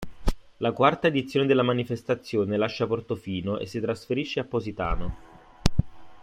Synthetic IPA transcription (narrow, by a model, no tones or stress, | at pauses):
lakwart̪aed̪it̪sːjoːned̪elːamanifest̪at̪sːjoːnelaʃːaport̪ofiːnoʔḛsːit̪ɾasfeɾiʃːeapːozit̪a̰ːno